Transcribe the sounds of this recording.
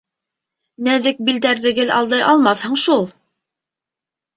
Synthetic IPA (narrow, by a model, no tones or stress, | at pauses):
næðɘk̚bild̪æɾðɘ̆ɡɘlɑ̰lˠd̪ɑjʔɑlˠmɑθhɤ̆ɴʃulˠ